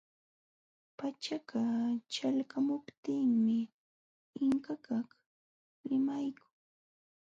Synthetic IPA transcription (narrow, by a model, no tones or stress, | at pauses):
pat͡ʃakat͡ʃalkamʊpt̪ɪŋmɪ | ɪŋkakaχ | ɾɪmajkʊ̥ŋ